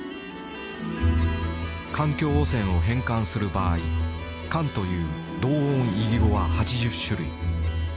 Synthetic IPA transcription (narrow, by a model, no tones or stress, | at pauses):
kãŋkʲo̞ːosẽ̞ɰ̃o̞ɦẽ̞ŋkãɰ̃sɨɾɯ̟baːi | kãnt̪o̞jɯ̟ː | d̪o̞ːõɰiɡʲiɡo̞βahat͡ɕiʑɨɕːɨɾɯ̟̰ḭ